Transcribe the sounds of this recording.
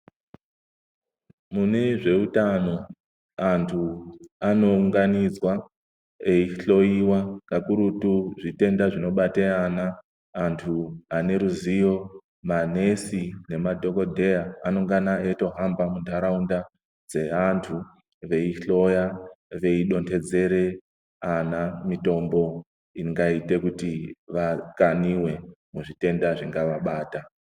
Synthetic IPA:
mune̞ʐe̞utano̞ | antʰuano̞uŋɡanid͡zwa | eiɬo̞jiwakakuɾutuʐite̞ndaʐino̞ɓateanaː | ntʰuane̞ɾuzijo̞ | mane̞sine̞madʱo̞ko̞dʱe̞jaːno̞ŋɡanaeto̞ɦambamundʰʱaɾaunda | d͡ze̞antʰu | ʋe̞iɬo̞jaʋe̞iɗo̞ntʰe̞d͡ze̞ɾe̞ | anamito̞mbo̞ | iŋɡaite̞kutiʋakaniwe̞muʐite̞ndaʐiŋɡaʋaɓaːta

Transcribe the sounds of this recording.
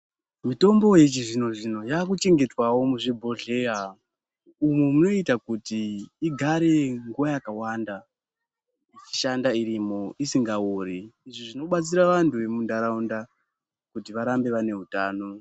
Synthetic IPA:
mito̞mbo̞jet͡ʃiʐino̞ʐino̞jaːk̬ut͡ʃe̞ŋɡe̞twawo̞muʐibʱo̞ɮe̞ɦa | umwemuno̞itakutiːɡʱaɾe̞ŋɡuʋajakawanda | it͡ʃi̥ʃandaiɾimo̞isiŋɡauriːʐiʐino̞ɓat͡siɾaʋantʰuʋe̞mundaɾaunda | kutiʋaɾambe̞ʋane̞ɦutaːno̞

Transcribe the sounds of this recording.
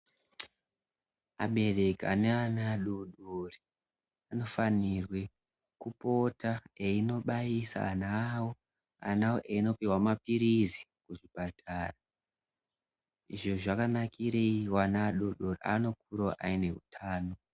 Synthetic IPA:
a̰ɓe̞re̞kia̰neanaːɗoɗori | ano̞fanirwe̞ | kupo̞taeino̞ɓaisa̰ːnawo | a̰nawoʔeino̞piwamapiɾizikuʐipatʰara | iʐo̞ʐakanakiɾeiwanaːɗoɗoriano̞k̚uɾoʔaine̞ɦṵtʰaːno̞

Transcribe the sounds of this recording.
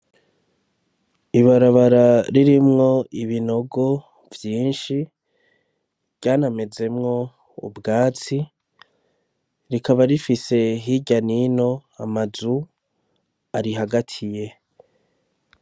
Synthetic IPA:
iβaɾaβaɾaɾiɾimŋo̞iβino̞ɡo̞ | vjiːnʃi | ɟaːname̞ze̞mŋo̞ | ṵbɡaːt͡si | ɾikaβaɾifise̞ɦiɟanino̞amazu | aɾiɦaɡatʰije̞

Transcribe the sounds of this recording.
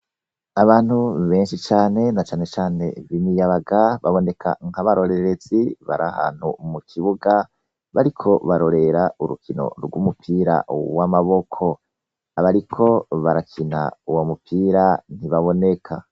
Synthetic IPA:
aβaːn̥huβe̞ːnʃit͡ʃaːne̞nat͡ʃaːnet͡ʃaːne̞̰βimijaβaɡaβaβo̞ne̞kʰa̰ŋ̥haβaɾo̞ɾe̞ɾe̞ziβa̰ɾʔa̰ha̰ːn̥hṵmukʰiβuɡa | βaɾikʰo̞βaɾo̞ɾe̞ɾauɾṵkʰino̞̰ɾɡwumupʰiːɾa̰wamaβo̞kʰo̞ | aβaɾikʰo̞βaɾakʰina̰uwomupʰiːɾan̥hiβaβo̞ne̞kʰa

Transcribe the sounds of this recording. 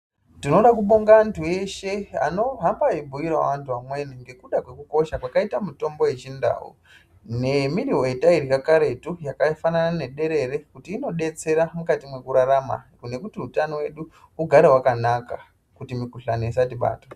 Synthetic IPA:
tino̞ɗakuɓoŋɡaːntʰue̞ʃe̞a̰no̞ɦambaibʱuiɾa̰ʋantʰuamwe̞niŋɡe̞kuɗakwe̞kuko̞ʃakwakaitamuto̞mbo̞je̞t͡ʃinda̰ːwṵ | ne̞miɾiɦo̞etaiɾikakaɾe̞tujakafananane̞ɗe̞ɾe̞ɾe̞kutiːno̞ɗe̞t͡se̞ɾamukatimwe̞kuɾaɾama̰ | ne̞kutiutanowe̞ɗu | uɡʱaɾeɦwakanaka | kutimikuɬanoisatiɓa̰ːtḁ

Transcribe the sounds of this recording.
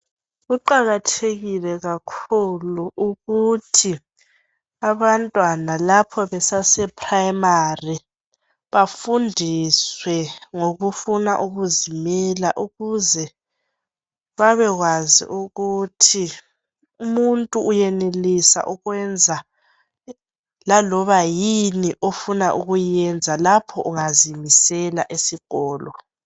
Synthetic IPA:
ɣuǃaɣatʰeɣilɛɣakʰuluʔuɣutʰi | aβantʼwanalapʰɔβɛsasɛpʰʼraimari | βafundʱiswɛŋoɣufuna̰ʔuɣuzimɛlaʔuɣuzɛ | βaβɛɣwazḭʔuɣutʰi | umuntʼuːjɛnelisa̰ʔuɣwɛnd͡zʱa | lalɔβajiniʔofunaʔuɣujɛnd͡zʱalapʰɔʔuŋazimisɛla̰ʔesiɣɔːlɔ

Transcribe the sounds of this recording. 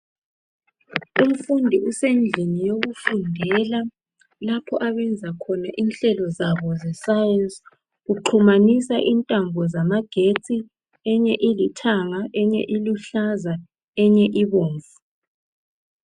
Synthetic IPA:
um̩fundʱiusend͡ɮʱinijoɣufundʱɛla | lapʰɔʔaβɛnd͡zʱakʰɔnaʔinɬɛlɔzaβɔzɛsajɛns | ɣuǃʰumanisaʔintʼambʱɔzamaɡ̥ʱet͡sʼi | ɛɲɛʔilitʰaŋaʔɛɲɛ̰ʔiluɬaza | ɛɲɛʔiβoːɱvu

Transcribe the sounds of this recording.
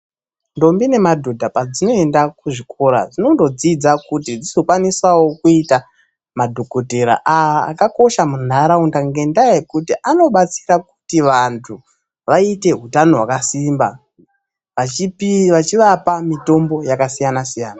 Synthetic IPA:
ndo̞mbine̞madʱo̞dʱapad͡zino̞e̞ndakuʐikʰoɾa̰ʐino̞ndo̞d͡zid͡zakutid͡zizo̞kwanisawo̞kuita | madʱo̞kote̞ɾa̰ʔaa̰ːkako̞ʃamun̤aɾaundaŋɡe̞ndajekutiʔano̞ɓat͡si̥raku̥tiʋantʰu | ʋaite̞ɦutano̞ɦwakasimba | ʋaipʋat͡ʃiʋapamito̞mbo̞jakasijanasijaːna

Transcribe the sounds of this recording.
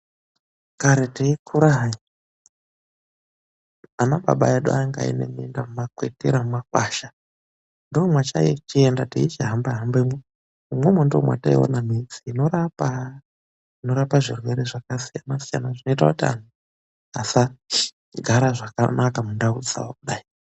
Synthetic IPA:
kaɾeteikʰuɾaɦa | anaɓa̰ɓa̰jaɗṵaŋɡa̰ḭnḛmiendamumakwetiɾamumakwaʃa | ndoːmwat͡ʃa̰it͡ʃiendatiit͡ʃiɦambaɦambemwe | umwemwendomwa̰taḭo̰namid͡ziːno̞ɾapa | ino̞ɾapaʐirweɾeʐakasijanasija̰naʐino̞itakutia̰n̤u | asa | ɡʱaɾaʐakanʔakamundaud͡za̰wakuɗai

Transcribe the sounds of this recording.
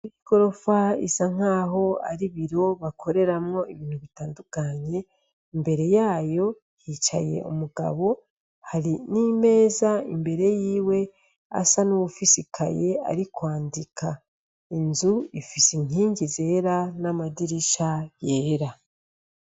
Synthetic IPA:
iiɡ̥o̞ɾo̞faḭsaŋ̥aːɦo̞a̰ɾiβiɾo̞βakʰo̞ɾe̞ɾamŋo̞iβiːn̥huβitaːndukaɲe̞ | imbe̞ɾe̞jaːjo̞ | jit͡ʃa̰je̞̰ʔṵmuɡa̰βo̞ | haɾinime̞ːzaḭmbe̞ɾe̞jiːwe̞ | a̰sanuwufisikʰa̰je̞a̰ɾikwaːndikʰa | inzuifisiɲ̥iːɲɟize̞ːɾanamadiɾiʃaje̞ːɾa

